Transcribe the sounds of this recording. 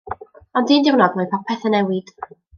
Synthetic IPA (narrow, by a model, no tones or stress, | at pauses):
ɔndiːndɪwnɔɡmɔjpʰɔpʰɛθənɛwɪd̥